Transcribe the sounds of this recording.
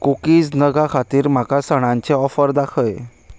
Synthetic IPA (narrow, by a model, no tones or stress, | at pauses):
kukiːd͡znəɡakʰat̪iːɾm̤akasəɽ̃ãɲt͡ɕeɔfəɾd̪akʰəj